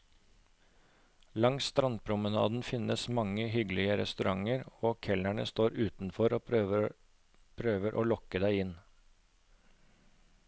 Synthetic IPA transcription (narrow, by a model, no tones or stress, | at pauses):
lɑŋst̪ɾɑnd̪̚pʰɾʊmənɑ̰ːd̪nfɪnəsmɑŋəɦʏɡlɪəɾɛ̰st̪ʉɾʔɑŋəɾoːkʰɛlæɳə̰st̪oːɾʉːt̪n̩fɔɾoː | pʰɾøːʋəɾʔo̰ːlɔkəd̪æɪɪn